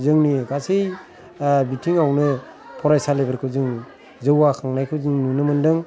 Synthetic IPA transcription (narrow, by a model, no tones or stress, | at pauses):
zɯŋniɡasej | bitʰiŋawnɯ | pʰɔɾajsalebeɾkʰɯzɯŋ | zɯwakʰaŋnajkʰɯwzɯŋnunɯmɯndɯŋ